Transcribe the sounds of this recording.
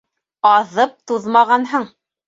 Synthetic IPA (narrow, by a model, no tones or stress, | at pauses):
ɑðɤp̚t̪uðmɑʁɑnɦɤɴ